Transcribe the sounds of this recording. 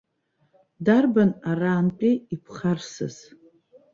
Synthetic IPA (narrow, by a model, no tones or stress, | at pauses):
darbanaraːmt͡pʼiipʰχarsɨ̰z̥